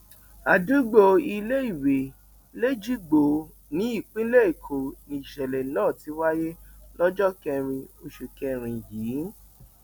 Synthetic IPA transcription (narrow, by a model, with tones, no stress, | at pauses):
a˨du˨˦ɡ͡bo˧i˧le˦i˦˨we˨ | le˦d͡ʒi˦ɡ͡bo˨ | nĩ˨˦i˦˨k͡pĩ˦le˦e˨kʰo˨nĩ˧i˨ʃɛ˨lɛ˨nãː˦˨ti˨˦wa˦je˦lɔ˦d͡ʒɔ˦kɛ˧ɾ̃ĩ˧o˧ʃu˨kɛ˧ɾ̃ĩ˨jiː˨˦